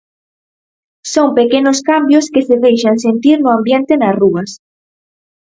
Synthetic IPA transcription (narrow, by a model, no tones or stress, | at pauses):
soŋpekenʊskambjʊskeseðejʃaŋsent̪iɾnʊambjent̪ɪnɐsruɐs